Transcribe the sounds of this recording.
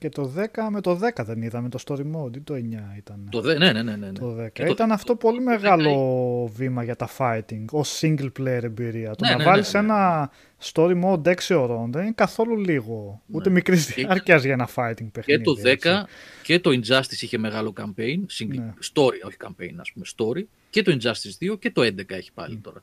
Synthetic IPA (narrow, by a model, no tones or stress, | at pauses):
ce̞t̪o̞ðe̞kɐme̞t̪o̞ðe̞kɐðe̞niðɐmet̪o̞st̪o̞ɾimod̪it̪o̞e̞ɲɐit̪ɐnet̪onenenenent̪oðe̞kɐt̪ɐnɐft̪o̞po̞lime̞ɣɐlo̞vimɐʝɐt̪ɐfɐjt̪iŋɡo̞siɲɡlplejeɾe̞mbiɾiɐt̪unɐvɐlise̞nɐ | st̪o̞ɾimond̪eksioɾo̞nðe̞ninekɐθo̞luliɣo̞ue̞mikɾizðiɐɾcɐzʝɐenɐfɐjt̪iŋɡ̚pexenit̪oðeskɐce̞t̪o̞ind͡ʒɐst̪isiçe̞meɣɐlo̞kɐmpejnsiŋnnest̪o̞ɾio̞çi̥kɐmpe̞̰jnɐspumest̪o̞ɾi | ce̞t̪oind͡ʒɐst̪izðioce̞t̪o̞end̪e̞kɐe̞çi̥pɐ̰lit̪o̞ɾɐ